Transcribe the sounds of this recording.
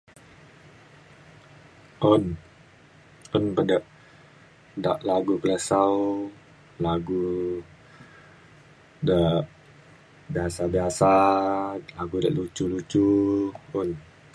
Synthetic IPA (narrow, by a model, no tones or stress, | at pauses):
ʔon | ʊnpədəʔ | daʔlaɡukələsaw | laɡu | dəʔ | biɦasabiasa | laɡudəʔlut͡ʃulut͡ʃu | un